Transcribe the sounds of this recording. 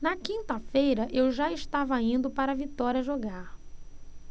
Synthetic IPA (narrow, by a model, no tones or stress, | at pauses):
nɐkĩnt̪ɐfejɾɐʔewʒaɪʃt̪avɐĩnd̪ʊpaɾɐvit̪ɔɾiɐʒoɡaɾ